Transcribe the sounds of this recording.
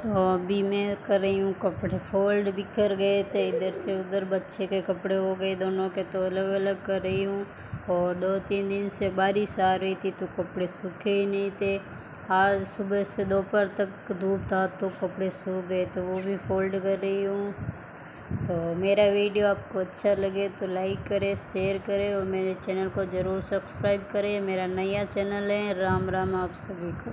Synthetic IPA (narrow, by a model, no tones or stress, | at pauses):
t̪oɐbʱimɛ̃ːkɐɾːəɦiɦũkɐpɽepʰoːlɖbʱikəɾɡəet̪eɪd̪əɾseʊd̪əɾbət̪ːʃekekɐpɽeɦoɡəed̪oːnõket̪oɐləɡɐləɡkɐɾːəɦiɦũ | ɔːɾd̪oːt̪iːnd̪ɪnsebaːɾisaːɾəɦit̪ʰit̪okɐpɽesʊkʰeɦinɐĩt̪ʰe | aːd͡ʒsʊbəsed̪oːpəɾt̪ɐkd̪uːb̚t̪ʰaːt̪ːokɐpɽesuːbɦɛt̪oʋobʱifoːlɖkɐɾːɐiɦũ | t̪oːmeːɾaʋiːɖijoaːp̚koɐtːʃʰalɐɡet̪olaːɪkːɐɾeʃeːəɾkɐɾeɔːɾmeːɾet͡ʃɛːnəlkozɐɾuːɾsɐbskɾaːɪbkɐɾemeːɾanɐjat͡ʃɛːnəlɦɛɾaːmɾaːmaːpsɐbʱikoː